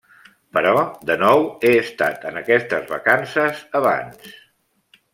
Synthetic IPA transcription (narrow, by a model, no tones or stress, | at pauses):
pəɾɔðənɔweəst̪a̰t̪ənəkɛst̪əzβə̰kansəzəβ̞a̰ns